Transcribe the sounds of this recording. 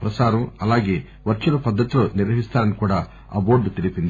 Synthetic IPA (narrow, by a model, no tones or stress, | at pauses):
pɾɐsaːɾɐmɐlaːɡe̞ː | ʋɐɾt͡ʃulɐpɐd̪ːɐt̪iloːniɾʋɐɦist̪aːɾɐnikuːɽa̰ː | a̰ːbo̞ːɾɖut̪elipind̪i